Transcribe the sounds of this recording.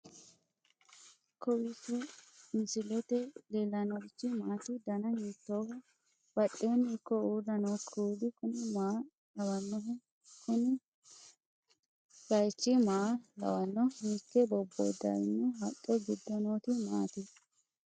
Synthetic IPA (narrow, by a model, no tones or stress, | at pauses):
kɔwisɛmɪsɪlɛt̪ɛleːlːɐnɔɪt͡ʃːɪmaːt̪ɪd̪ɐnɐjiːt̪ːoːhɔ | b̥ɐɗːeːnikːɔuːdɐnoːkʰːuːd̪ɪkʊnɪmaː | lɐwɐnːɔɦɛ | kʰʊnɪ | ɡɐjt͡ʃːɪmaːlɐ̰wɐnːɔhiːkːɛbɔbːɔ̰jd̪ɐ̰jɪnːɛhɐtʼːɛɡɪd̪ːɔnoːt̪ɪma̰ːt̪ɪ